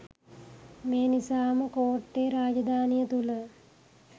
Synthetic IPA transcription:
meːnisaːməkoːʈːeːɾaːd͡ʒɐd̪ʱaːnijət̪ulə

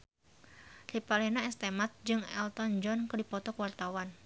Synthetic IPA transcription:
ripalɛhnaɛst̪emat̪̚d͡ʒɨŋɛ̰lt̪ɔnd͡ʒɔnkədipɔt̪ɔkwart̪awan

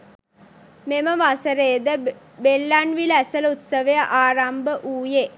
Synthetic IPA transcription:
meməʋasəɾeːd̪ə | belːanʋilæsəlut̪səʋəjəʔaːɾambəʔuːje

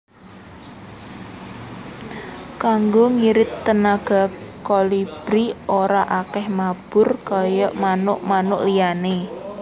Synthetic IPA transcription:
kaŋɡoŋiɾɪt̪ːənaɡ̥a̤kɔlib̥ɾioɾaʔakɛhmab̥ʊrkɔjɔʔmanʊʔmanʊʔlijane

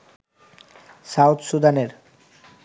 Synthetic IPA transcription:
sawt̪sud̪aneɾ

